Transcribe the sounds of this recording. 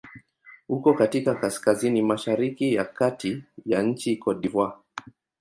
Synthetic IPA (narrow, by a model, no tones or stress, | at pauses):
hukɔkatikakaskazinimaʃaɾikijakatijaɲ̩t͡ʃikɔɗivwa